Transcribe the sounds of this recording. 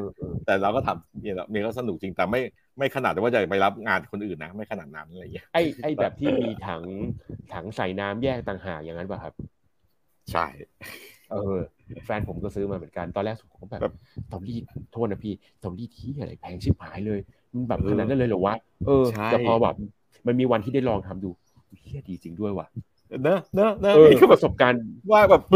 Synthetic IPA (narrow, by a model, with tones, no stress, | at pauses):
ʔɤː˧ʔːt̪ɛː˨˩ɾa˧wkɔː˥˩t̪ʰa˧mi˧˩lɔ̰˨˧˩mi˧˥˧kɔː˥˩sa˧nu˨˩k̚t͡ɕi˧ŋt̪ɛː˨˩ma˥˩j | ma˥˩jkʰa˧naː˨˩t̪̚ɛː˨˩waː˥˩t͡ɕa˨˩˨pa˧jla˦˥p̚ŋaː˧na˨˩kʰo˧nʔɯː˨˩nːa˦˥ma˥˩jkʰa˧naː˨˩t̪̚na˦˥nʔa˨˧la˧jŋi˦˥ʔa˥˩jʔa˥˩jbɛː˨˩p̚t̪ʰiː˥˩miː˧t̪ʰa˩˦ŋt̪ʰa˩˦ŋsa˨˩˦jnaː˦˥mjɛː˥˩k̚t̪aː˨˩ŋɦaː˨˩k̚ja˨ŋa˦˥nbɛː˨˩kʰa˦˥˩p̚ | t͡ɕʰa̰˥˩j | ʔɤː˧fɛː˧npʰo˩˦mkɔː˥˩sɯː˦˥maː˧mɯ˨˩˦ənka˧nt̪ɔː˧lɛː˥˩ksu˨˩t̪̚ʰo˨˦kɔ˥˩bɛː˨ɛ̰ː˨˩p̚t̪ɔː˧ŋliː˥˩t̪̚t̪ʰːo˥˩t̚na˦˥pʰiː˥˩ | t̪ɔ˧ŋliː˥˩t̪̚ʰi˦˥˩a˧ɾa̰˧˩jpʰɛː˧˩ŋsʰi˦˥˩p̚haː˩˦jlɤː˧j | ma˧nbɛː˨˩pʰːna˦˥nːa˥˨lːjɾu˨˩˦waː˥˩ | ʔɤː˧˦˥jaː˨˩ɔː˧bɛ̰ː˨˩˧ | ma˧nmiː˧wa˧nt̪ʰiː˥˩da˥˩jlɔː˧ŋt̪ʰa˧mduː˧ | u˧˦kʰi˥˩ədiː˧t͡ɕi˧ŋdu˥˩əjwa̰˨˩ | na˦˥na˦˥na˦˥ʔɤː˧˩kʰɯː˥˩pa˧so˨˩p̚ka˧nwaː˥˩bɛː˨˩p̚